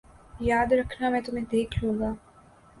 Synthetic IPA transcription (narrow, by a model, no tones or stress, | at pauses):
jaːd̪ɾɐkʰnamɛ̃ːt̪ʊmẽd̪eːkʰlũːɡaː